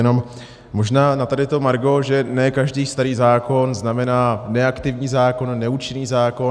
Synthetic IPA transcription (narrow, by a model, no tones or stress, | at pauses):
ɛno̞m | mo̞ʒnaːnat̪adɪt̪o̞maɾɡo̞ʒɛnɛkaʒdiːst̪aɾiːzaːko̞nznamɛnaːnɛakt̪ɪvɲiːzaːko̞nːɛuːt͡ʃɪniːzaːko